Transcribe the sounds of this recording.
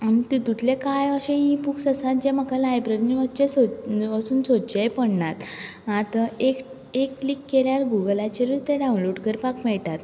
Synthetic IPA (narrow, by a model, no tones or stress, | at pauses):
amĩt̪it̪ut̪lekajəɕẽipuksəsat̪̚d͡ʑemakalajbɾəɾniʋət͡ɕesoəsuːnsot͡ɕejpəɳnat̪ | at̪əek | ekːlikːeljaɾɡuɡəlat͡ɕiɾit̪eɖaw̃nloɖkəɾpakmɛɭʈ̪at̪